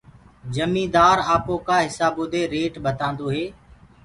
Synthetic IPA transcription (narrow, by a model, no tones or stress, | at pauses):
d͡ʒəmĩːd̪aːɾaːpõːkaːɦɪsaːboːd̪eːɾeːʈɓət̪ãːnd̪oːɦeː